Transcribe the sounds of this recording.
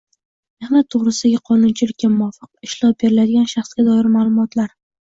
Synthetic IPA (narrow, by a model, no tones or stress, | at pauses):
nɪmat̪ʰoʁɾɪsd̪aɡʲaqʰɒnʊnt͡ʃʰɪlɪkʲːamʊɒfɨq̚ɪʃlˠɒp̚be̞ɾɪlad̪ɪɡʲanʃaχsɡʲad̪ɒɪɾmaːlˠʊmɒt̪laɾ